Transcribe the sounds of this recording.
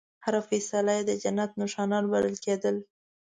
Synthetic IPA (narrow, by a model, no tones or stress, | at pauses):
haɾafesalajed̪əd͡ʒanːat̪nʊʃɑnɑɾbalə̰lked̪əl